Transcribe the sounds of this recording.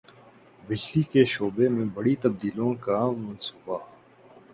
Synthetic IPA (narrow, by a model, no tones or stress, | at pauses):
bɪd͡ʒlikeʃoːbemẽbɐɽit̪ɐb̚d̪iːlõkamɐnsuːba